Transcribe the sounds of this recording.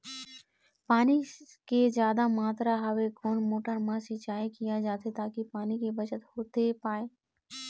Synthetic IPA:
paːni | kezjaːd̪amaːt̪ɾaɦɐʋekoːnmoːʈəɾmãsɪt͡ʃaːikijad͡ʒaːt̪ʰet̪aːkipaːnikebɐt͡ʃət̪hoːt̪epaːeː

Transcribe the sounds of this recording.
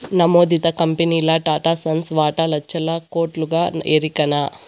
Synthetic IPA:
nɐmoːd̪it̪ɐkɐmpeniːlɐʈaːʈaːsɐnsʋaːʈalɐt͡ʃːɐlakoːʈluɡaːḛːɾikɐnaː

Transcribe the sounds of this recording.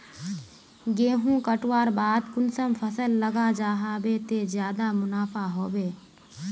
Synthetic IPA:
ɡeːɦũkəʈwaːɾbaːd̪kʊnsəmpʰəsəlːəɡad͡ʒaːɦabet̪ezjaːd̪amʊnaːpʰaɦoːbeː

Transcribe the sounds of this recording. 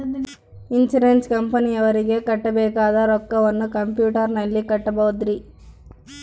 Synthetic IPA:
int͡ʃuɾenskɐmpɐniɐʋɐɾiɡe̞kɐʈːɐbɛːkaːd̪ɐɾɔkːɐʋɐnːukɐmpjuːʈɐɾnɐlːikɐʈːɐbɐud̪ɾi

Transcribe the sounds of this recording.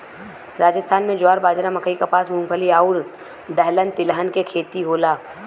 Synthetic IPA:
ɾaːd͡ʒəst̪ʰaːnmẽd͡ʒaːɾbaːd͡ʒɾamɐkʰəikapaːsmʊ̃ŋɡpʰəliaːʊɾ | d̪əɦlə̃nt̪ɪlɦənkekʰeːt̪iɦoːlaː

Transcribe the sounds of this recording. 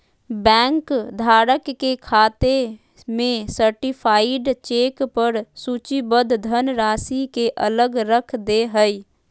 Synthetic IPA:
bɛ̃ːŋkd̪ʱaːɾəkːekʰaːt̪e | mẽsəɾʈipʰaːɪɖt͡ʃeːkpəɾsuːt͡ʃibəd̪ʱd̪ʱənɾaːsikeʔələɡɾəkʰd̪eɦəi

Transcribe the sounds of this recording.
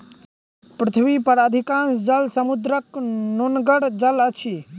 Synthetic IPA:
pɾɪt̪ʰʋipəɾaːd̪ʱikãnsd͡ʒəlsəmud̪ɾəknonɡəɽd͡ʒələt͡ʃʰi

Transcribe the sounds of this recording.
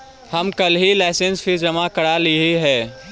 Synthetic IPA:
hɐmkɐlɦilaɪsẽnsfʰid͡ʒɐmakəɽaliɦeɦɛː

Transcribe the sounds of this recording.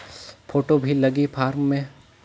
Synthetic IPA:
pʰoːʈobʱilɐɡipʰaːɾmːẽ

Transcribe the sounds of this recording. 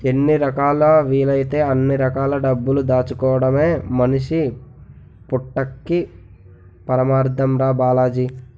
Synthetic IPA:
enːiɾɐkaːlɐʋiːlɐjit̪e̞ːɐnːiɾɐkaːlɐɖɐbːulud̪aːt͡ʃukɔːʋɐɽɐme̞ːmɐniʂi | puʈːɐkːi | pɐɾɐmaːɾd̪ʱɐmɾaːbaːlaːd͡ʒi

